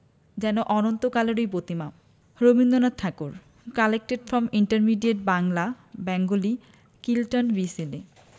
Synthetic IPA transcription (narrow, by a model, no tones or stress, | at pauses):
d͡ʑɛnoʔɔnont̪okaloɾojbot̪ima | ɾobind̪onat̪ʰakoɾ | kalek̚ʈeɖfɾɔmiɳʈaɾmiɖieʈ̚baŋla | bɛŋɡoli | kilʈonbisili